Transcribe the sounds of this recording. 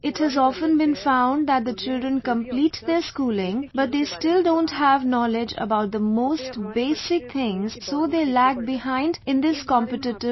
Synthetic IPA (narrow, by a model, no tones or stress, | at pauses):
ɪʈhəzɔfə̃nbɨ̃nfãʊ̃nɖ̚d̪æt̚d̪ət͡ʃɪldɾə̃nkə̃mpliːʈd̪eɾskuːlɪ̃ŋbʌt̚d̪eːstɪldõːnthævnɔlɪd͡ʒə̰baʊt̚d̪əmoːstbeːsɪk̚t̪ʰɪ̃ŋz̥soːd̪eːlæɡ̚bɪhãɪ̃ndɪ̃nd̪ɪskɔ̃mpɨʈɪʈɪ